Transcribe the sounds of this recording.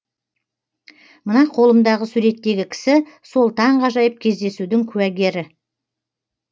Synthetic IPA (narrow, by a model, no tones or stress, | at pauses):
mənɑqʰo̞lˠəmd̪ɑʁəsuɾe̞t̪ːe̞ɡʲɪkʲʰɪ̥sɪso̞lˠt̪ʰɑɴqɑʒɑjəp̚kʲʰe̞zd̪e̞sud̪ɪŋkʲʰʉwæɡʲe̞ɾɪ